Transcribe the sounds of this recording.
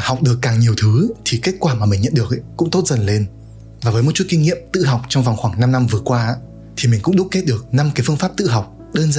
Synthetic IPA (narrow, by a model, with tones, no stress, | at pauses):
ha˨˩wk͡p̚ɗɨ˨˩əkːaː˨˩ŋɲi˨˩əwt̪ʰɨ˨˦t̪ʰi˨˩ke˦˥k̚kwaː˧˩maː˨˩mï˨˩ŋ̟ɲə̰˧˨nɗɨ˨˩ək̚kʊ̰˧˥ŋ͡mt̪o˦˥t̚zə˨˩nle˧n | vaː˨˩vəː˨˦jmo˨˩tt͡ɕu˦˥t̚ki˧ŋ̟ŋḭ˧˨əmt̪ɨ̰˧˨ɦa˨˩wk͡p̚t͡ɕɔ˧wŋ͡mva˨˩wŋ͡mxwaː˧˩ŋna˧mna˧mvɨ˨˩əkwaː˧a˧ | t̪ʰi˨˩mï˨˩ŋ̟kʊ̰˧˥ŋ͡mɗʊ˦˥t̚ke˦˥t̚ɗɨ˨˩ək̚na˧mkaː˨˦fɨ˧ənfaː˦˥p̚t̪ɨ̰˧˨ɦa˨˩wk͡p̚ | ɗəː˧nzə˧˨